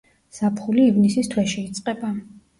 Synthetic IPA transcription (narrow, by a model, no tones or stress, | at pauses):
z̥apʰχuliːvnisist̪ʰwɛʃiːt̪sʼqʼɛba